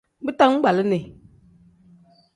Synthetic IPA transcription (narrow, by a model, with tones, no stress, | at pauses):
bɨ˦ta˦ŋ˦ɡ͡ba˨lɨ˦ne˨